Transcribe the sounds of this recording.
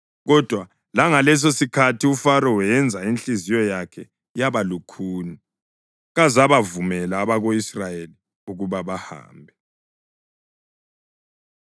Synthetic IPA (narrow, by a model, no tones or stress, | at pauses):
ɣɔd̥ʱwa | laŋalɛs̬osikʰatʰiufaɾɔwɛɛnd͡zʱaint͡ɬizijɔjakʰɛ | jaβalukʰuːni | ɣazaβavumɛlaːβaɣoisrajeli | uɣuβaβaha̰ːmbʱɛ